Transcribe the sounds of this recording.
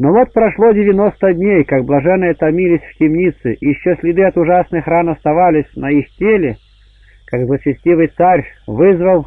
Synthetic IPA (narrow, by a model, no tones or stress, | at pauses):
novot̪̚pɾɐʂlˠodʲɪvʲɪnost̪ədʲnʲejkaɡ̚blˠɐʐɛnːɨjət̪ɐmʲilʲɪsʲftʲɪmnʲit̪sɨʔjɪɕːosʲlʲɪd̪ɨɐt̪ʊʐasnɨxranɐst̪ɐvalʲɪsʲnɐixtʲelʲɪ | kaɡzlˠət͡ɕɪsʲtʲivɨjt̪sarʲvɨzvəlˠ